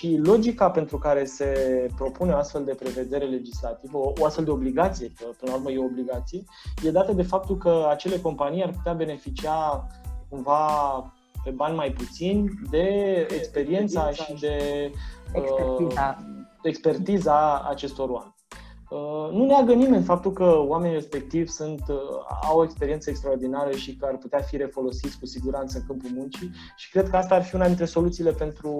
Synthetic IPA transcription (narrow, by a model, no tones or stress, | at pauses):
ʃilo̞d͡ʒikape̞nt̪ɾukaɾe̞se̞pɾo̞puneoast̪fe̞ld̪e̞pɾe̞ve̞d̪e̞ɾe̞le̞d͡ʒislat̪ivəooast̪fe̞ld̪eobliɡat̪sije̞kəpənlauɾməjeoobliɡat̪sije̞je̞d̪at̪əd̪e̞fap̚t̪ulkəat͡ʃe̞le̞ko̞mpanijarput̪eabe̞ne̞fit͡ʃiakumva | pe̞banʲmajput̪sinʲd̪e̞ekspe̞ɾie̞nt̪ssaʃid̪e̞ | ə | ekspe̞rt̪iza̰ːt͡ʃe̞st̪o̞ɾoa̰menʲ | ənuneaɡənime̞nʲfap̚t̪ulkəwame̞nire̞spe̞k̚t̪ivʲsunt̪a̰woe̞kspeɾient̪səekst̪ɾaord̪inaɾəʃikəarput̪eafiɾe̞fo̞lo̞sit̪sʲkusiɡuɾant̪səɨŋkɨmpulmunt͡ʃi | ʃi̥kɾe̞d̪̚kəast̪aːrfiunad̪int̪ɾe̞so̞lut̪siːle̞pe̞nt̪ɾu